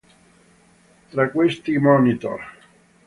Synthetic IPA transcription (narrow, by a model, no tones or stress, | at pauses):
t̪ɾakwest̪imɔnit̪o̰r